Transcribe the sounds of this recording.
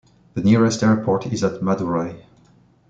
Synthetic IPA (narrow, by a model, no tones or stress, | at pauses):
ðəniɹɛstɛɹpʰɔɹtɪzətmaduɹaɪ